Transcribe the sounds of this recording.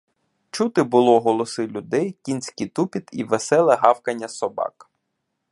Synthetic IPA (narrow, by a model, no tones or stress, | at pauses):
t͡ʃut̪ɪbʊlˠɔɦɔlˠɔsɪlʲʊd̪ɛjkʲinʲsʲkit̪upʲit̪iʋesɛlˠɐɦɑwkɐnʲːɐsɔbɑ̰k